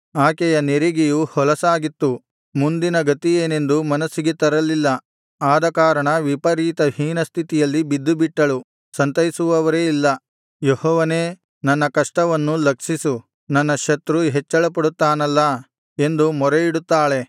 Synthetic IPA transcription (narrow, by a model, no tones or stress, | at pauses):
aːkɛjɐneɾiɡijuhɔlɐsaːɡit̪ːu | mund̪inɐɡɐt̪ije̞ːne̞nd̪umɐnɐsːiɡet̪ɐɾɐlilːɐ | aːd̪ɐkaːɾɐɳɐʋipɐɾiːt̪ɐhiːnɐst̪ʰit̪ijɐlːibid̪ːubiʈːɐɭu | sɐnt̪ɐjisuʋɐʋɐɾe̞ːilːɐ | jehɔːʋɐne̞ː | nɐnːɐkɐʂʈɐʋɐnːulɐkʂisu | nɐnːɐʃɐt̪ɾuɦet͡ʃːɐɭɐpɐɽut̪ːaːnɐlːɐ | e̞nd̪umɔɾeiɽut̪ːaːɭe̞